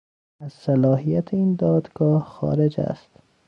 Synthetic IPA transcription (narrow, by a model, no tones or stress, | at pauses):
æz̥sælɒːhijæt̪ʰeiːnd̪ɒːd̪ɡ̥ɒːhxɒ̰ːɾed͡ʒæ̰st̪